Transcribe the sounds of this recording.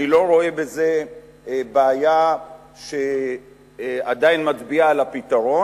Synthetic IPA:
ilo̞ʁo̞e̞be̞ze̞ | baːja | ʃe | ad̪ajinmat̪biaːlapit̪aʁo̞

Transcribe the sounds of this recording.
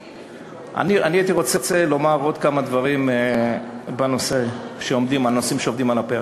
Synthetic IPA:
ʔa̰nianiit̪iʁo̞t͡set͡se̞lo̞maʁo̞d̪kamad̪vaʁim | bano̞seʃe̞o̞md̪imano̞simʃeo̞vd̪imalape

